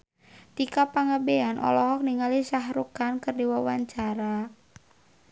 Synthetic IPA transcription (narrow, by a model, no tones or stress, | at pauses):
t̪ikapaŋabeanʔɔ̰lɔɦɔk̚niŋalisaɦɾukankɨrdiwawaɲt͡ʃaɾa